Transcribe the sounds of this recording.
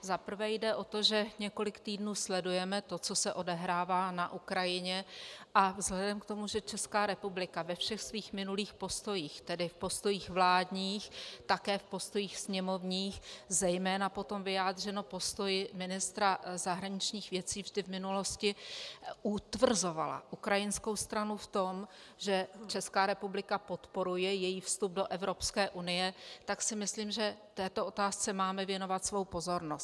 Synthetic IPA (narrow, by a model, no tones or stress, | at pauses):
zapr̩vɛːjdɛʔo̞t̪o̞ʒɛɲɛko̞lɪkt̪iːdnuːslɛdujɛmɛt̪ot͡so̞sɛʔo̞dɛɦɾaːvaːnaʔukɾajɪɲɛʔavzɦlɛdɛmkt̪o̞muʒɛt͡ʃɛskaːɾɛpublɪkavɛfʃɛxsviːxmɪnuliːxpo̞st̪o̞jiːxt̪ɛdɪfpo̞st̪o̞jiːxvlaːdɲiːxt̪akɛːfpo̞st̪o̞jiːxsɲɛmo̞vɲiːxzɛjmɛːnapo̞t̪o̞mvɪjaːd̪r̝ɛno̞po̞st̪o̞jmɪnɪst̪ɾazaɦɾaɲɪt͡ʃɲiːxvjɛt͡siːvʒdɪvmɪnulo̞scɪʔut̪vr̩zo̞vala̰ʔukɾajɪnsko̞wst̪ɾanuft̪o̞m | ʒɛt͡ʃɛskaːɾɛpublɪkapo̞t̪po̞ɾujɛjɛjiːfst̪ub̚do̞ʔɛvɾo̞pskɛːʔunɪjɛt̪aksɪmɪsliːmʒɛft̪ɛːt̪o̞ʔo̞t̪aːst͡sɛmaːmɛvjɛno̞vat̪svo̞wpo̞zo̞ɾnos